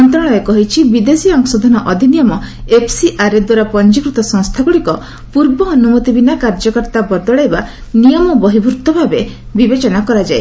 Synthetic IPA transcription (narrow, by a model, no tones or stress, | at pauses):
ɔnt̪ɾɔɭ̃ɔekɔɦit͡ʃʰibid̪esiɔŋsɔd̪ʱɔnɔʔɔd̪ʱinijɔmɔepʰsiʔaɾed̪waɾapɔnd͡ʒikɾut̪ɔsɔ̃ŋst̪ʰaɡuɽikɔ | puɾbɔːnumɔt̪ibinakaɾd͡ʒɔkɔɾt̪abɔɾd̪ɔɭajbanijɔmɔbɔɦibʱuɾut̪ːɔbʱabe | bibet͡ʃɔnakɔɾad͡ʒae